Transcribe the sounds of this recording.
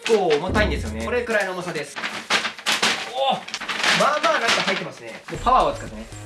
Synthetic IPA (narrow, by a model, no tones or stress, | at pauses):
kːoːomot̪aĩnd̪esɨjo̞nekoɾe̞kɯ̟ɾaino̞ːmosad̪esɨ̥ | o | maːbaːɡaikːaɦait̪ːemasɨne̞moːpaβaːot͡sɨ̥kat̪ːene